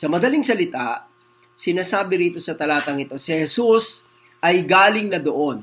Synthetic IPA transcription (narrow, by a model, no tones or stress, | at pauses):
sɐmɐd̪ɐliŋsɐlɪt̪a | sɪnaːsaːbɪɾiːt̪o̞sɐt̪ɐlaːt̪ɐŋɪt̪o̞sɪhɛsus | ʔɐjɡaːlɪŋnɐd̪oʔo̞n